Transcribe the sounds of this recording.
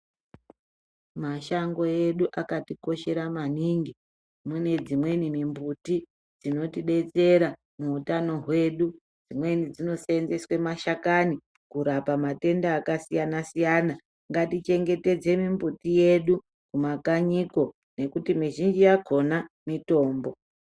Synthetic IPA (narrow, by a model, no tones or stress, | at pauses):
maʃaŋɡo̞je̞ɗuʔakatiko̞ʃe̞ɾamaniŋɡi | mune̞d͡zimwe̞nimimbuti | d͡zino̞tiɓe̞t͡se̞ɾa | muːtano̞ɦwe̞ɗu | d͡zimwe̞nid͡zino̞saenze̞swe̞maʃakani | kuɾapamate̞ndaːkasijanasijana | ŋɡatit͡ʃe̞ŋɡe̞te̞d͡ze̞mimbutije̞ɗu | kumakaɲiko̞ | ne̞kutimiʒind͡ʒijakʰo̞na | mito̞ːmbo̞